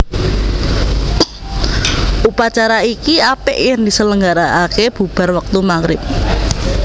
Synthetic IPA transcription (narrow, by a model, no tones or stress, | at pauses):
ʔupat͡ʃaɾaikiapɪʔjaŋd̪isələŋɡaɾaʔakeb̥ṳb̥a̤rwək̚t̪umaŋɾɪp̚